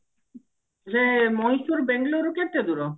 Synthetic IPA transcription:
lemɔjʃuɾbɛŋloɾukeʈed̪uɾo

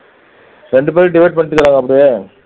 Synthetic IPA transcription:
ɾɛɳɖɯp̬eːɾiɖɪʋɐɪʈ̚pɐɳːɪʈ̪ːɯkːɯɾaːŋɡɐpːɐɽɪjeː

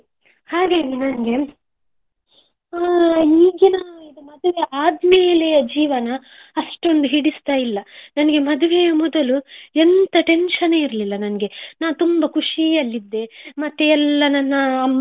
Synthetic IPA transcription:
haːɡaːɡinɐnɐɡe̞ | aːiːɡinaid̪umɐd̪uʋeʔaːd̪mejɐlejɐd͡ʒiːʋɐnɐ | ɐʂʈo̞nd̪uɦiɽist̪aːjilːɐnɐnɐɡe̞mɐd̪uʋejɐmɔd̪ɐluɛnt̪ɐʈe̞nʂɐneːiɾɐlilːɐnɐnɐɡe̞naːʋut̪umbɐkʰuʂiɐlːid̪ːe̞mɐt̪ːeɛlːɐnɐnːɐ

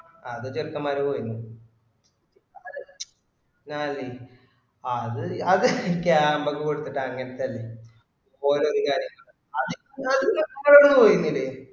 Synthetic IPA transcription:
ɐðɨt͡ɕerkːɐmːaːɾupoːjunːu | naːlːi | ɐðɨɐðɨikːeambɐkːukoɽut̪ːiʈːɨɐŋːɐnɐt̪ːeɐlːi | poːleoɾukaːɾjɐŋːɐɭ | ɐði | ɐðɨt͡ɕerkːɐmaːɾoɳːupoːjunːilːe

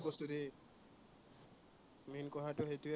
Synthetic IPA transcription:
pɔst̪ut̪i | minkɔɦaʈoɦet̪ue

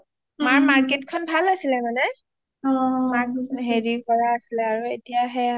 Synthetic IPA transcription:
maɹmaɹkitkʰɔnbʱalasilɛmanɛ | ɔmakɦeɹikɔɹaːsilɛaɹuetijaɦɛ

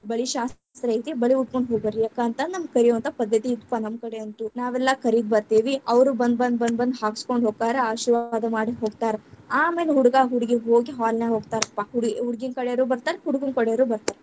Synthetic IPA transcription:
bɐɭiʃaːs | t̪ɾɐit̪ibɐɭiuʈ̚koɳɖɦoːɡbɐɾijaːkaːnt̪ɐnɐmɡ̚kɐɾijoʋɐnt̪ɐpɐd̪ːɐt̪iːd̪upːanɐmkɐɽeɐnt̪unaːʋɛlːɐkɐɾid̪̚bɐɾt̪iːʋiɐʋɾubɐnd̪bɐnd̪bɐnd̪bɐnd̪ɦaːɡskoɳɖʱɦoːɡ̚t̪aːɾeaːʃiɾʋaːd̪ɐmaːɽiɦoːɡt̪aːɾeaːme̞ːleɦuɽuɡaːɦuɽiɡiɦoːɡiɦaːlneɦoːɡ̚t̪aːɾɐpːɐɦuɽɡiɦuɽɡinkɐɽeɐɾuːbɐɾt̪aːɾeɦuɽuɡunkɐɽejɐɾuːbɐɾt̪aːɾe

